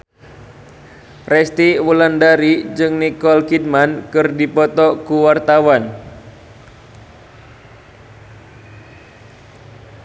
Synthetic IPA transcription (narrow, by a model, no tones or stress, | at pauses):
rɛst̪iwulandaɾid͡ʒɨŋnikɔlkid̚mankɨrdipɔt̪ɔkuwart̪awan